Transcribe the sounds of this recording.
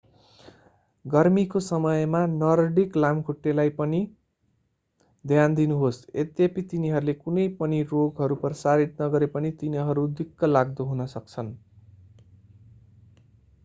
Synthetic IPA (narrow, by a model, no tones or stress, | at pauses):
ɡʌrmikosʌmʌjmanʌrɖiklamkʰuʈːelajpʌni | d̪ʱjand̪inuɦosḛt̪jepit̪iniɦʌɾulekunʌjpʌniroɡɦʌɾupʌrʌsaɾit̪̚nʌɡʌɾepʌnit̪iniɦʌɾud̪ikːʌlaɡd̪ʌɦunʌsʌk̚t͡sʰʌn